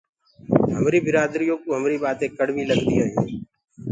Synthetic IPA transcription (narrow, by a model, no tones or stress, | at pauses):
ɦəmɾiːbɪɾaːd̪ɾijõːkoːɦəmɾiːɓaːt̪ẽːkəɽʋiːləɡt̪ḭːɦaːjṵ̃ː